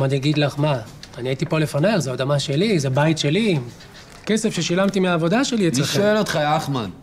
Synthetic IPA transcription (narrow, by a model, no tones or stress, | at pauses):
madjaɡid̪laχmaː | niait̪ipo̞le̞fanalzeod̪amaʃe̞lizebajit̪ʃe̞li | kese̞fʃeʃilamt̪imeaːvo̞daʃe̞lient͡sleχʃoelot̪χaaχma̰n